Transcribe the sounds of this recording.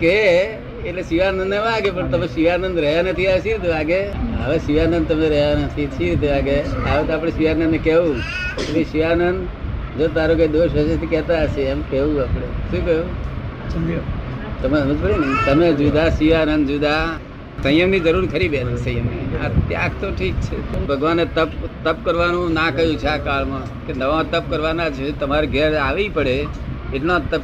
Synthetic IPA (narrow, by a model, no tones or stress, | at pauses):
keː | ʈlesiʋaːnənd̪eʋaɡepəɳt̪əmeʃiʋanənd̪ɾəɦjanət̪ʰiaʃiɾit̪̬eʋaɡeə̰ʋeʃiʋanə̃nd̪̚t̪əmeɾəɦjanət̪ʰiʃiɾit̪eʋaɡeaʋet̪oap̬ɽeʃiʋanə̃nekeʋũ | et̪leʃiʋanənd̪ | d͡ʒot̪aɾokad̪oʃəʃət̪ikɛt̪aəʃeːmkeʋũaːpɽ̃eʃũːkəjũ | t̪əmeməd͡ʒpəɾint̪əmed͡ʒud̪aʃiʋanənd̪d͡ʒud̪a | sə̃j̃əmnid͡ʒəɾuɾkʰəɾibet̪ʰsə̃j̃jəmniə̰ɾt̪ja̰kt̪oʈʰik̚t͡ʃʰebʱəɡʋanet̪əpt̪əp̚kəɾʋanũnakəjũt͡ʃʰeakaɭmã | kenəʋaãt̪əp̚kəɾʋanad͡ʒt͡ʃʰet̪əmaɾeɡʱəɾaʋipəɽe | eʈnõt̪əp